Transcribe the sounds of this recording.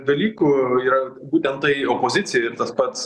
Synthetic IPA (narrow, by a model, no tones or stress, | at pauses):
d̪ɐlʲiːkʊːiːɾɐ | buːt̪ʲɛnt̪tɐɪoːpoːzʲɪt̪sʲɪjɛɪrt̪ɐspɐt̪s